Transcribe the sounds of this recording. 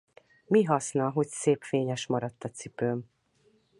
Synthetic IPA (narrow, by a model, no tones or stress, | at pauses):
miɦɒsnɒɦo̞cseːpfeːɲɛʃmɒɾɒt̪ːɒt̪sipøːm